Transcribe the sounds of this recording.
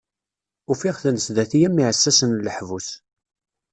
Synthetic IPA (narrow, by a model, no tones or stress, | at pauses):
ʊfɪʁθənəsd̪æθijæmːiʕəsːæsənləħvus